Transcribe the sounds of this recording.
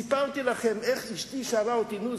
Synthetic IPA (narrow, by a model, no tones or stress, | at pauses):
ipalt̪ilaχemeχiʃt̪iʃaɾaot̪inu